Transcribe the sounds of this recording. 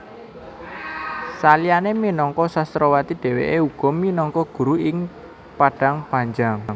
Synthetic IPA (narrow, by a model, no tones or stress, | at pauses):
salianeminɔŋkɔsast̪ɾɔwat̪iɖ̥e̤wḛʔeuɡ̥ɔ̤minɔŋkɔɡ̥ṳɾuɪŋ | paɖ̥a̤ŋpaɲd͡ʒaŋ